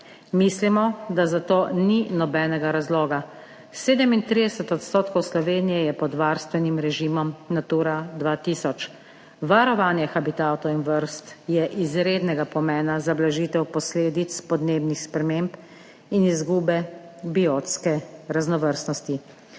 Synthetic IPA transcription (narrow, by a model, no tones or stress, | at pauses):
mislimɔd̪azat̪oːninɔbɛːnɛɡaɾazloːɡa | seːd̪ɛmint̪ɾid̪ɛsɛt̪ɔt̪st̪oːt̪kɔwslɔʋeːnijɛjɛpɔd̪ʋaɾst̪ʋɛnimɾɛʒiːmɔmnat̪uːɾad̪ʋaːt̪isɔt͡ʃ | ʋaɾɔʋaːnjɛxabit̪at̪ɔwinʋəɾst̪jɛʔizɾeːd̪nɛɡapɔmɛːnazablaʒiːt̪ɛwpɔsleːd̪it̪spɔd̪neːbnixspɾɛmemp | inizɡuːbɛ | bioːt̪skɛɾaznɔʋəɾst̪nɔst̪i